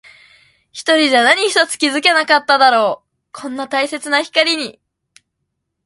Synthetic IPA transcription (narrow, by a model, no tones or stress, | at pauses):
çi̥t̪o̞ɾʲid͡ʑanaɲ̟içi̥t̪o̞t͡sɨ̥kʲizɨke̞nakat̪ːad̪aɾo̞ː | kʰõ̞nːat̪aise̞t͡sɨnaçi̥kaɾʲiɲ̟i